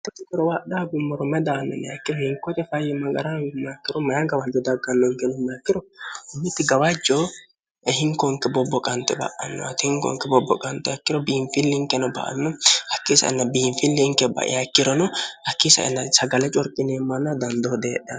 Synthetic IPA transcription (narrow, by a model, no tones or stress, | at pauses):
tːɔt̪ɪkːɔɾɔwaɗaɡʊmːɔɾɔmɛd̪anːɔ̰mɛɐ̰kːɪɾɔhɪŋkɔt̪ɛfɐjɛmɐɡɐɾamkːɪɾɔmɐjaɡɐwad͡ʒɔd̪ɐɡːɐnːɔŋkɛnʊmːɛɐkːɪɾɔhʊmːɪt̪ːɪɡɐwad͡ʒːɔ | hɪŋkɔŋkɛbɔbːɔkʼɐnt̪ɛbɐ̰ʔɐnːɔt̪ɪhɪŋkɔ̰ŋkːɛbɔbːɔ̰kʼɐnt̪ɛɐkːɪɾɔbiːɱfɪlːɪŋkɛnɔbɐ̰ʔɐ̰nːɔhɐkːisɐ̰ɪ̰nːɐbiːɱfɪlːɪŋkɛbɐ̰ʔɪ̰ɐkːɪɾɔnɔhɐkːisɐ̰ɪ̰nːɐsɐɡɐlɛt͡ʃʼɔɾkʼːɪneːmːɐnːɐd̪ɐnd̪ɔd̪eːɗɛɐ